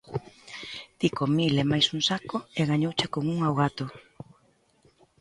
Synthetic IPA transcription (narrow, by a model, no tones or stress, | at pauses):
t̪ikomilemajsuŋsakoeɣaɲowt͡ʃekoŋuŋawɣat̪o